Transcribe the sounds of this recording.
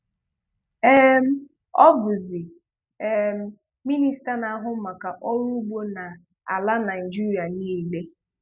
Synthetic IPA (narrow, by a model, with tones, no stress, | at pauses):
ɛ˦m̩˦ | ɔ˦bʊ˨zi˨ | ɛ˨m̩˦ | mi˦ni˦sta˦na˨a˦ɦʊ˦ma˨ka˨ʔɔ˦ɾu˦ɡ͡bo˦na˨ | a̰˨la˦na˨i˨d͡ʒi˦ɾi˨a˨niː˦˨le˦